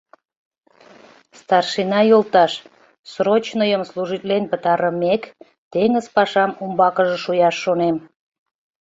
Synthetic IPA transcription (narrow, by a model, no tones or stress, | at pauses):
st̪ɑrʃinɑjolt̪ɑʃ | sɾot͡ɕnəjəmsluʒit̪lenpət̪ɑɾəmek | t̪eŋəzpɑʃɑmumbɑkəʒĕʃujɑʃːonem